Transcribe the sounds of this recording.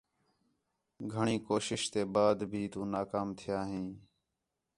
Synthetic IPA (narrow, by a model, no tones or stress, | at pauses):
ɡʱəɳiːkoːʃɪʃt̪eːbaːd̪bʱiːt̪ũːnaːkaːmt̪ʰɪjaːɦĩː